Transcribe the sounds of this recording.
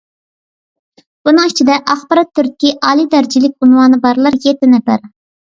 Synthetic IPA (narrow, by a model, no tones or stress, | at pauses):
b̥unɨŋit͡ʃʰid̪ɛʔɑχbɑɾɑt̪ʰːyɾʲkʲiʔɑːlˠid̪æɾd͡ʒilɪk̚ʲunwɑːnɨbɑɾlˠɑɾjet̪ɪnɪpæ̰ɾ